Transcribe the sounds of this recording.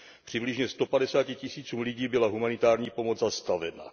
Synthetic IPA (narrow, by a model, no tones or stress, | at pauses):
pr̥ɪblɪʒɲɛst̪o̞padɛsaːcɪcɪsiːt͡suːmliɟiːbɪlaɦumanɪt̪aːɾɲiːpo̞mod͡zzast̪avɛna̰